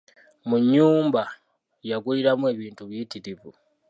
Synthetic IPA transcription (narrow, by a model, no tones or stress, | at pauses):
muɲuːmba | jak̬uiɾamweβiːntuβjitiɾivu